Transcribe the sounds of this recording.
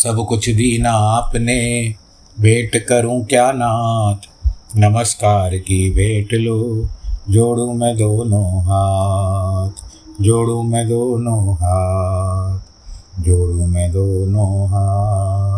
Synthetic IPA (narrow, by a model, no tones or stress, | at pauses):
sɐbkʊt͡ʃʰd̪iːnaːpne | bʱeːʈkəɾũkjaːnaːt̪ʰnəməskaːɾkibʱeːʈloːd͡ʒoːɽũːmẽːd̪oːnõːɦaː | t̪ʰd͡ʒoːɽũːmẽːd̪oːnoːɦaː | t̪̚ʰ | d͡ʒoːɽũːmẽd̪oːnoːɦaː